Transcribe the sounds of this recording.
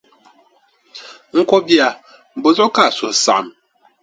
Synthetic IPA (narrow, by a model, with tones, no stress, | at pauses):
ŋ̩˦kɔ˦bja˨ | bo˨zɔ˦ka˦˨so˨sa̰˨m